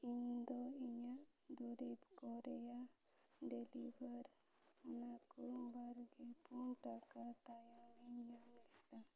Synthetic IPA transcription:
ind̪oiɲaʔ | d̪ɔɾibkɔɾeja | ɖelibəɾ | nakubaɾɡepunʈakat̪ajamiɲamlɛd̪a

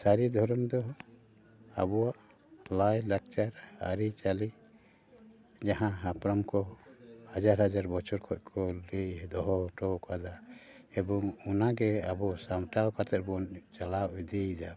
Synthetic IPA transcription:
saɾid̪ʱɔɾɔmd̪ɔ | a̰bɔwaʔ | lajlak̚t͡ʃaɾa̰ɾit͡ʃali | d͡ʒaɦãɦapɾɔmkɔhad͡ʒaɾhad͡ʒaɾbɔt͡ʃʰɔɾkʰɔc̚ˀkʰɔɾid̪ɔɦɔʈɔkad̪aɛbɔŋunaɡɛabɔsamʈawkaɾt̪ɛʔbɔnt͡ʃalawid̪id͡ʒ̪a

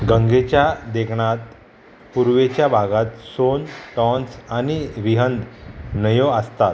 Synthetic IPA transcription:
ɡəŋɡet͡ɕjad̪ekʰɳat̪ | puɾʋet͡ɕjabʱaɡat̪sonʈɔnsaniɾiɦənd̪nəjoəst̪at̪

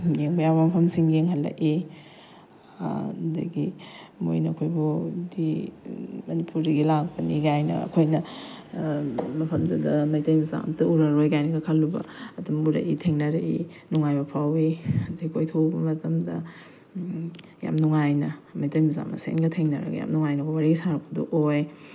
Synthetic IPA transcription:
jeŋbɐjawbɐmɐpʰɐmsiŋɡeŋɦɐlːɐ̰ʔi | dɐ̰ɡimo̰jnɐːkʰojbudi | mɐnipuɾdɐɡilak̚pɐniɡajnɐ̰ɐ̰kʰojnɐ | mɐpʰɐmdɐdɐmɐjtɐjmiza̰mtɐuɾɐɾojɡajnɐɡɐkʰɐlːubɐ̰ɐtumuɾɐ̰ʔitʰeŋnɐɾɐʔḭnuŋajbɐpʰawiɐdɐɡikʰojtʰowbɐmɐtɐmdɐ | ja̰mnuŋajnɐmɐjtɐjmiza̰mɐ̰sḛnɡɐtʰeŋnɐɾɐ̰ɡɐ̰ja̰mnuŋajnɐkʰojwaɾiɡisaɾɐɐduʔoj

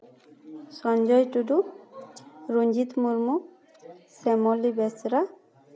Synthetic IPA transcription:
sɔnd͡ʒɔjtudu | ɹund͡ʒit̪muɹmu | sɛmɔlibɛsɾa

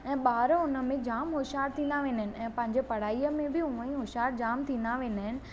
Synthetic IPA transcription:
ɛ̃ːɓaːɾʊnə̆mẽd͡ʑaːmɦoːʃaːɾt̪ʰĩːnd̪aʋẽːnd̪əɦɪnɪ̆ɛ̃ːpɐ̃ɦɪ̃ɲd͡ʑepɐɽ̤aːiəmẽbɪɦʊʋə̃ĩɦoːʃaːɾd͡ʑaːmt̪ʰĩːnd̪aʋẽːnd̪aɦɪnɪ̆

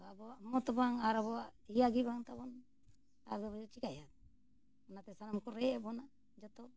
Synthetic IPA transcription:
abɔaʔmɔŋɔt̪ɔbaŋaɾaβɔaʔt̪ijaɡibaŋt̪abɔn | a̰ɾd̪ɔbɔd͡ʒɔt͡ʃikajat̪ | ɔnat̪ɛsanamkɔɾɛbɔna | d͡ʒɔt̪ɔ

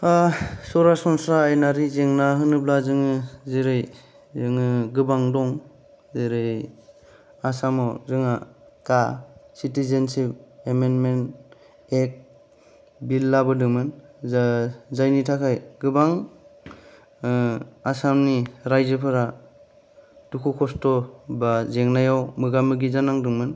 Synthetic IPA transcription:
asɔɾasɔnsɾaːjnaɾizeŋnaɦɯnɯblazɯŋɯzeɾɯj | zɯŋɯɡɯbaŋdɔŋ | zeɾɯj | asamɔzɯŋakasitizensipemenmen | ek̚ | bilːabɯdɯŋmɯn | zajnitʰakʰajɡɯbaŋ | asamniɾajzɯpʰɯɾa | d̥ukʰukʰɔstɔbazeŋnajawmɯɡamɯɡizanaŋdɯŋmɯn

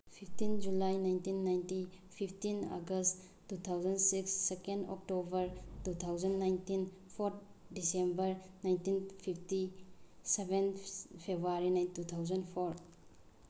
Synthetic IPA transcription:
pʰip̚ʰtind͡ʒulajnajntinːajnti | pʰipʰtina̰ɡəst | tːut̪ʰawzɐnsiksːekendɔ̰k̚tobɐɾtut̪ʰawzɐnːajntin | pʰoɾt̪̚ | disembɐɾnajntinpʰipʰtisebenpʰebɾuaɾinajntut̪ʰawzɐnpʰoɾ

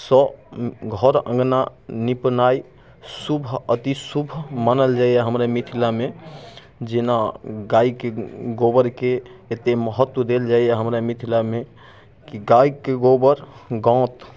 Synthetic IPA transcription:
sɔɡʱɔɾə̰̃ŋɡnanipnai | subʱət̪isubʱmanəld͡ʒaijaɦəmɾamit̪ʰilame | d͡ʒenaɡaikeɡobəɾkeːt̪eməɦət̪ːwəd̪eld͡ʒaijaɦəmɾamit̪ʰilame | kiɡaikeɡobəɾɡɔ̃t̪

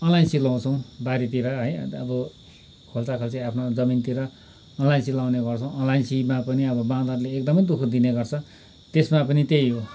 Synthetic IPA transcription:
ʌnlajnsilaw̃t͡sʰʌw̃baɾit̪iɾʌɦʌjʌbʌ | kʰolt͡sakʰolt͡siapʰnod͡zʌmint̪iɾʌː | nlajnsilawneɡʌrt͡sʰʌ̃w̃ʌnlajnsimapʌniʌbʌbãd̪arleːk̚d̪ʌmʌjd̪ukʰud̪ineɡʌrt͡sʰʌ | t̪esmapʌnit̪ejɦo

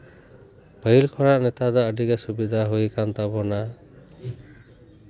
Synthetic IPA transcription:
bʰʱəilkʰɔɹaʔnɛt̪ad̪ɔəɖikɛsubid̪ʱaɦojkant̪abɔna

